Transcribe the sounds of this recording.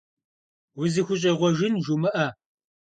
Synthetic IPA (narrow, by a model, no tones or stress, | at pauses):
wʊzɨxʷʊɕ̬ʼɐʁʷɔʒɪnʒumɨʔɐ